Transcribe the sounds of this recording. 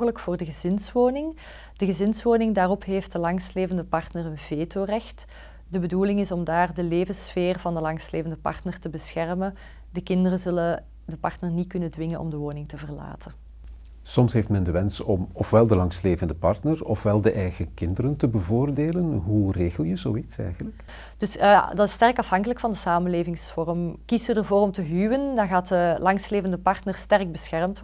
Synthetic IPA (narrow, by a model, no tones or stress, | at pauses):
ɣələkfʊːrdəɣəzɪnsʋoːnɪŋ | d̥əɣəzɪnsʋoːnɪŋdaːrɔpɦeːft̚dəlɑŋsleːvəndəpɑrtnərənveːtʰoːrɛxt | dəbəduːlɪŋɪsɔmdaːrdəleːvəsfeːrvɑndəlɑŋsleːvəndəpɑ̰rtnərtəbəsxɛrmən | dəkɪndərəzɵlə | dəpɑrtnərnit̚kɵnədʋɪŋənʔɔ̰mdəʋoːnɪŋtəvərla̰ːtʰən | sɔmsɦeftmɛndəʋɛnsɔmɔfʋɛlˠdəlɑŋsleːvəndəpɑrtnərɔfʋɛlˠdəʔɛjɣəkɪndəɾəntəbəvoːrdeːlənɦureːɣəlˠjəzoːitsɛ̰jɣənlək | d̥ɵsdɑtɪstɛrkɑfɦɑŋkələkfɑndəsaːmənleːvɪŋsfɔrəmkistydərvoːrɔmtəɦywəndɑnɣaːtdəlɑŋsleːvəndəpɑrtnərstɛrɡ̚bəsxɛrmt